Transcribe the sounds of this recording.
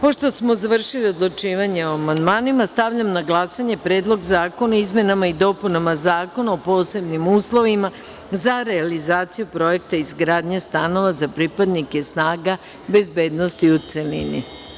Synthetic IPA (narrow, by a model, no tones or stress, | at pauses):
po̞ʃt̪o̞smo̞zaʋr̩ʃilio̞d̪lˠut͡ʃiːʋaɲeoamand̪maːnimast̪aʋʎamnaɡlˠasaɲe̞pɾe̞ːd̪lˠo̞ɡzaːko̞naizme̞namaid̪o̞punamazaːko̞naopo̞ːse̞bnimuːslˠo̞ʋima | zaɾe̞alizaːt̪sijupɾo̞je̞kt̪aizɡɾaːd̪ɲest̪ano̞ʋazapɾipad̪nike̞snaːɡa | be̞zbe̞ːd̪no̞st̪iut̪se̞lḭnḭ